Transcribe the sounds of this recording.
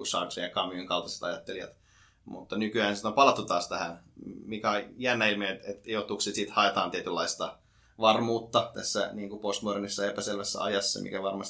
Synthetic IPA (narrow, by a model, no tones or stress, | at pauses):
usɑ̰ˑkseɑkɑmːioŋkɑlt̪ɑse̥t̪ɑjɑt̪ːelijɑ̰t̪ | mṵt̪ːɑnykyæːnsit̪ompɑlɑt̪ːut̪ɑːst̪æhænmikæojjænːæilmeet̪et̪joht̪ukset̪sit̪hɑet̪ɑːnt̪iet̪ylːɑist̪ɑ | ʋɑrmuːt̪ːɑt̪æsːæniːŋkupost̪muorenisːɑepæselʋæsːæ̰ɑ̰jɑsːɑ̰mḭkæʋɑrmɑs